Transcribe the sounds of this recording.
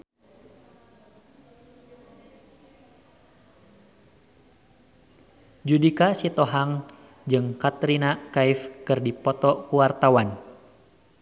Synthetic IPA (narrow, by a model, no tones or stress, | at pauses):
d͡ʒudikasit̪ɔɦaŋ | d͡ʒɨŋkat̪ɾinakaifkɨrdipɔt̪ɔkuwart̪awan